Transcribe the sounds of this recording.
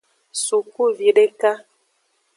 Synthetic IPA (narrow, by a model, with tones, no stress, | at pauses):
su˨ku˦vi˨ɖe˦ka˦